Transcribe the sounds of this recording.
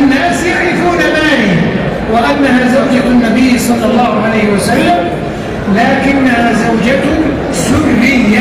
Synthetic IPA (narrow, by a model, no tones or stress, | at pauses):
anːaːsjaʕɾɪfuːnamaːlɪhɪm | wɪʔanːaɦaːzawd͡ʒanːabɪjːsˤɑlːɑlˤːɑːhʊʕalajhɪwasalːam | laːkɪnːahaːzawd͡ʒat̪ | sʊbbɪa